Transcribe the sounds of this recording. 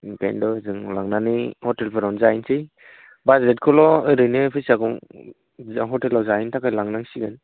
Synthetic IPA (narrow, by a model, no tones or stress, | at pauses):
pḛndɔɯzɯŋlaŋnanɯhɔtelpʰɯɾawnzajnsʰɯj | bazet̚kʰɔlɔɯɾɯjnɯpʰɯsakɔŋ | ɦɔtelawzaintʰakajlaŋnaŋsiɡɯn